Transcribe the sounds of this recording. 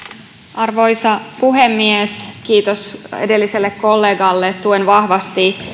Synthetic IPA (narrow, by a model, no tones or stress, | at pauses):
ʔɑrʋo̞jsɑpuɦe̞mːieskiːt̪osedelːiselːekkːo̞lːe̞ːɡɑlːet̪t̪ːuenʋɑhʋɑst̪i